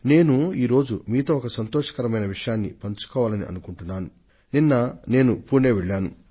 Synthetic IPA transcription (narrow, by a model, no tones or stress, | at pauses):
ne̞ːnuiːɾo̞ːd͡ʒumiːt̪oːɔkɐsɐnt̪ɔːʂɐ̥kɐɾɐmɐjnɐʋiʂɐjaːnːḭpɐɲt͡ʃu̥kɔːʋaːlɐnḭʔɐ̰nukuɳʈunːaːnu | ninːɐne̞ːnupuːɳeːʋeɭːaːnu